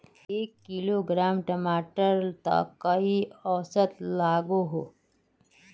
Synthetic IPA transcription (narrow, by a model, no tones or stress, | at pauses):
eːkːiloɡɾaːmʈəmaːʈəɾt̪ə̰ɐiɔʋsət̪laːɡoɦoː